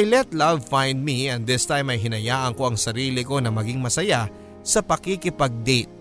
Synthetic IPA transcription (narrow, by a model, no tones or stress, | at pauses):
jlɛt̪lavfãjnd̪̚miɛ̃nd̪ɪst̪ajmɐjɦɪnɐjaːʔɐŋko̞ʔɐŋsɐɾiːlɪko̞nɐmɐɡɪŋmɐsɐja | sɐpɐkɪkɪpɐɡ̚d̪et̪̚